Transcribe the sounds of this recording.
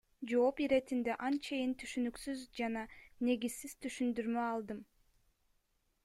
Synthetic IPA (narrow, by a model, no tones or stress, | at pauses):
d͡ʒo̞ːpiɾe̞t̪ind̪eʔɑnt͡ʃʰe̞jint̪ʰyʃynyksyzd͡ʒɑnɑne̞ɡiz̥siz̥t̪ʰyʃynd̪yɾmøɑlˠd̪ɯm